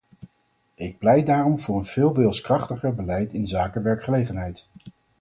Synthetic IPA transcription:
ɪk̚plɛjdaːrɔmvʊːɹənv̥ɪːlˠʋɪːlˠskrɑχtəχəɹbəlɛjtɪnzaːkəʋɛɹkχəlejχənɦɛjt

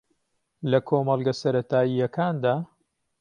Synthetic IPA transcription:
lɐkʰoːmɑlˠɡɐsɐɾɐt̪ʰaːijɐkʰaːnd̪aː

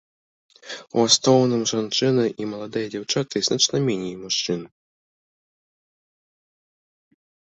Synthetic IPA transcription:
ṵast̪ɔwnɨmʐant͡ʂɨnɐʔimɐlˠad̪ɨjɐd͡zʲawt͡ʂat̪ɨznat͡ʂnɐmʲɛnʲijmuʂt͡ʂɨn

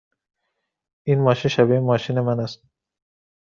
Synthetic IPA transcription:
ʔinmɒːʃinʃæbimɒːʃiːnemænæst̪̚

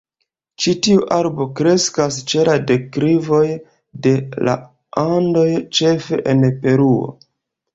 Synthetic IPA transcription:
t͡ʃitiuʔaɾbo̞kɾe̞skast͡ʃe̞ladekɾivo̞j | de̞la̰ | ando̞jt͡ʃe̞fe̞ʔenpe̞ɾuo̞̰

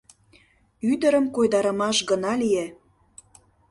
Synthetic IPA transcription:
yd̪əɾəmkojd̪ɑɾə̆mɑʃɡə̆nɑlie

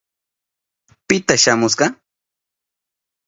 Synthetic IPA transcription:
pɪt̪aʃamʊsɢɑ

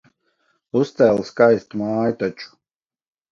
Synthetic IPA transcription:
ust̪ɛlˠskajst̪umaːjt̪at͡ʃu̥

